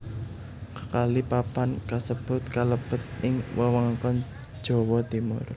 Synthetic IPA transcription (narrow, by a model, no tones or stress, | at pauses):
kəkalipapankasəb̥ʊ̤t̪̚kaləb̥ət̪̚ʔɪŋwʔəwɔŋakɔn | d̥ʒ̥ɔ̤wɔt̪imʊ̰r